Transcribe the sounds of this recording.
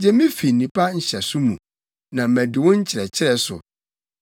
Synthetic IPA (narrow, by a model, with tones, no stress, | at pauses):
d͡ʑɛ˦mĩ˦fi˨nĩ˨pʰa˦ɲ̩˨ɕɛ˨sʊ˦mũ˨ | nã˨m̩˨mæ̃˨dɪ˨wɔ̃˦ɲ̩˦t͡ɕʰɪ˨ɾɛ˨t͡ɕʰɪ˦ɾɛ˦˨sʊ̰˨